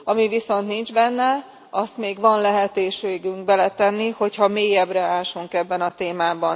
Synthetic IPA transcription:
ɒmiviso̞nt̪nind͡ʒbɛnːɛ | ʔɒst̪meːɡʋɒnlɛɦɛt̪eːʃeːɡyŋk̚bɛlɛt̪ɛnːiho̞chɒmeːjɛbrɛaːʃuŋkɛbːɛnɒt̪eːmaːbɒn

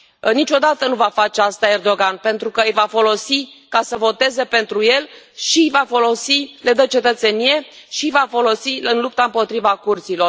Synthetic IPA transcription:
nit͡ʃo̞d̪at̪ənuvafat͡ʃe̞ast̪ae̞rd̪o̞ɡanpe̞nt̪ɾukəɨjvafo̞lo̞sikasəvo̞t̪e̞ze̞pe̞nt̪ɾuje̞l | ʃijvafolo̞sile̞d̪ət͡ʃe̞t̪ət̪se̞nije̞ʃijvafo̞lo̞siɨnlup̚t̪aɨmpo̞t̪ɾivakurt̪silo̞r

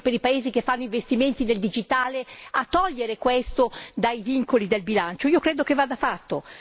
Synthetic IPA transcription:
peɾipaeːzikefːanːoiɱvest̪iment̪ineld̪id͡ʒit̪aːleat̪ːɔʎːeɾekwest̪od̪ajviŋkolid̪elbilant͡ʃoiːokɾeːd̪okevaːd̪afat̪ːo

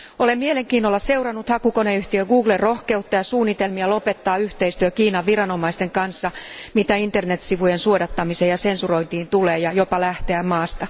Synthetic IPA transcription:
o̞lemmieleŋkiːnːolːɑse̞urɑnːut̪hɑkukoneyht̪iøɡuːɡlerro̞hke̞ut̪ːɑjɑsuːnːit̪elmiɑlo̞pe̞t̪ːɑːyht̪eist̪yøkiːnɑʋːiɾɑno̞mɑist̪e̞ŋkɑnsːɑmit̪æint̪ernet̪siʋujensuodɑt̪ːɑmisejɑse̞nsuro̞int̪iːnt̪uleːjɑjo̞pɑlæht̪eæmmɑːst̪ɑ

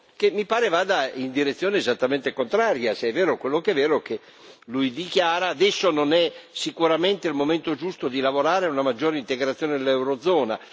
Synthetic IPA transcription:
kemːipaːɾevaːd̪aind̪iɾet̪sːjoːneːzat̪ːament̪ekont̪ɾaːɾjaseɛvːɛːɾokwelːokɛvːɛːɾok̟e | lujd̪ikjaːɾaːd̪ɛsːononɛsikuɾament̪eilmoment̪od͡ʒust̪od̪ilavoɾaːɾeunamad͡ʒːoːɾeint̪eɡɾat̪sːjoːned̪elɛwɾod̪zɔːna

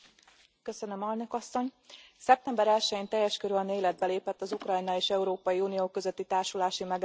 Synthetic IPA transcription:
køsønømɛlnøkɒsːo̞ɲsɛp̚t̪ɛmbɛɾɛlʃɛjiːnt̪ɛjːɛʃkøɾylneːlɛd̪̚bɛleːpɛt̪ːɒzukrɒjnɒeːʃɛuɾoːpɒjiuːnijoːkøzøt̪ːit̪aːrʃulaːʃimɛɡ

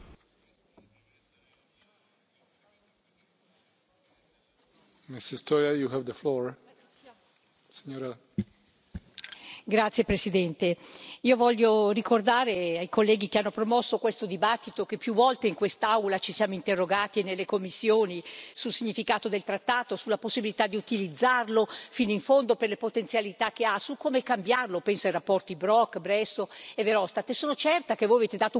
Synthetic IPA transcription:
misist̪ojajuhɛvd̪əflɔɹ | siɲoɾa | ɡɾat̪sːjepɾesid̪ɛnt̪eiːovɔʎːorikord̪aːɾeajkolːɛːɡik̟eanːopɾomɔsːokwest̪od̪ibat̪ːit̪okepːjuvːɔlt̪eiŋkwest̪aawlat͡ʃisjaːmoint̪erːoɡaːt̪inelːekomːisːjoːnisulsiɲːifikaːt̪od̪elt̪ɾat̪ːaːt̪osulːaposːibilit̪ad̪ːiut̪ilid̪zːarlofinoiɱfond̪operlepot̪ent̪sjalit̪ak̟ːeasukːoːmekambjarlopɛnsoajrapːɔrt̪ibɾɔkːbɾɛsːoeveɾɔst̪at̪esoːnot͡ʃɛrt̪akevːojaveːt̪ed̪aːt̪o

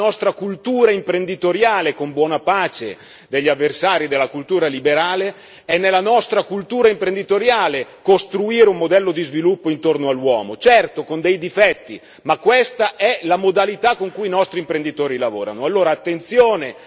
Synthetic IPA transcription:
ɔst̪ɾakult̪uːɾaimpɾend̪it̪oɾjaːlekombwɔːnapaːt͡ʃḛ | d̪eʎːavːersaːɾid̪elːakult̪uːɾalibeɾaːle | ɛnːelːanɔst̪ɾakult̪uːɾaimpɾend̪it̪oɾjaːlekost̪ɾuiːɾeumːod̪ɛlːod̪izvilupːoint̪ornoalːwɔːmot͡ʃɛrt̪okond̪ɛjd̪ifɛt̪ːḭ | makːwest̪aʔɛlamod̪alit̪akːoŋkuinɔst̪ɾimpɾend̪it̪oːɾilavo̰ːɾa̰noalːoːɾaːt̪ːent̪sjoːne

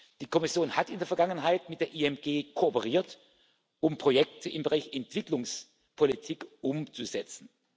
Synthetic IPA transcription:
d̥iːkʰɔmɪsjoːnhatɪndeːɐfɛɐɡaŋənɦaɪtmɪt̚d̥eːɐʔiɛmɡ̥eːkʰoːpəʁ̞iːɐt | ʔʊmpʁ̥ojɛk̚tʰəʔɪmbəʁaɪçɛntv̥ɪklʊŋs | pʰolitʰiːkʔʊmt͡suzɛt͡sn̩

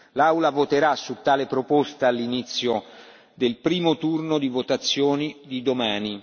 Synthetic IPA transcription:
lawlavot̪eɾasːut̪ːaːlepɾopost̪aːlːinit̪sːjo | d̪elpɾiːmot̪urnod̪ivot̪at̪sːjoːnid̪id̪omaːni

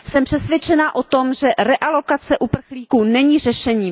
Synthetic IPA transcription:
sɛmpr̥ɛsvjɛt͡ʃɛnaʔo̞t̪o̞mʒɛɾɛʔalo̞kat͡sɛʔupr̩xliːkuːnɛɲiːr̝ɛʃɛɲiː

